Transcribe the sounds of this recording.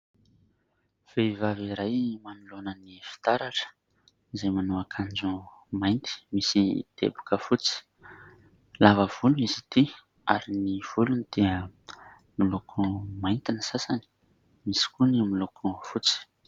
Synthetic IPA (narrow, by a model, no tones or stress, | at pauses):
v̥eivaviɾajmanulonənifi̥t̪aɾaʈ͡ʂə̥ | izajmanuakʰand͡zumajnt̪i̥misid̪̥ḛbu̥kəfut͡si̥ | lavəv̥uluizit̪i | aɾiniv̥ulunid̪̥eə | nilokʰumajnt̪inisasani̥ | misi̥kunamilukʰufut͡si̥